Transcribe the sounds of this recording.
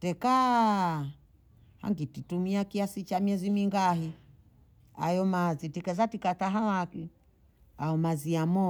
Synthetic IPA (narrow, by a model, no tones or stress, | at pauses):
tɛka | ha̰ŋɡititumiakiasit͡ʃamiɛzimiŋɡaɦi | a̰jɔmazitikɛzatikataɦawaki | aɔmaziamɔ